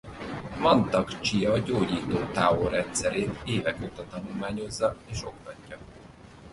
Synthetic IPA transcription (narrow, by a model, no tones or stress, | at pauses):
mɒnt̪ɒkt͡ʃijɒɟoːɟiːt̪oːt̪aːoɾɛnt̪sɛɾeːt̪eːvɛkoːt̪ɒt̪ɒnulmaːɲo̞zːɒeːʃo̞̰k̚t̪ɒcːɒ